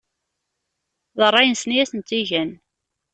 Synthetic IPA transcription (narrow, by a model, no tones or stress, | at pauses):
ðərˤːɑjnsniæθənt͡s̪ːiʝæn